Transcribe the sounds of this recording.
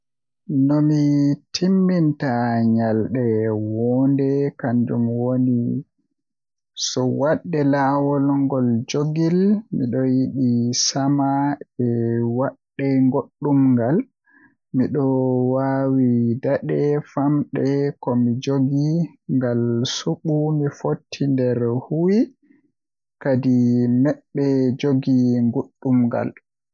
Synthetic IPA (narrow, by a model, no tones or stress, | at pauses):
nɔmitʰimːintaɲalɗɛwɔndɛkand͡ʒumwoni | sɔwaɗːɛlawɔlŋɡɔld͡ʒoɡilmḭɗɔjiɗisamaɛwaɗːɛŋɡoɗːumŋɡal | miɗɔwawidaɗɛfamɗɛkɔmid͡ʒoɡiŋɡalsuɓumifotʰːindɛɾhuwi | kadimɛɓːɛd͡ʒoɡiŋɡoɗːumɡa̰l